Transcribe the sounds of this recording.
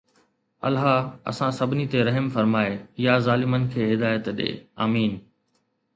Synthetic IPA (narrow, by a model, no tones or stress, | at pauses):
ɐ̰lɦaɐ̰sãsɐbʱɪnit̪eɾɐɦəmfɐɾmaːejazaːlɪmənɪ̆kʰeːɦɪd̪aːjət̪ɗḛːaːmiːn